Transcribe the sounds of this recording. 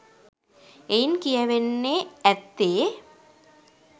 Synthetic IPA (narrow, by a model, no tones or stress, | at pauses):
ejnkijɐʋenːeɛt̪ːeː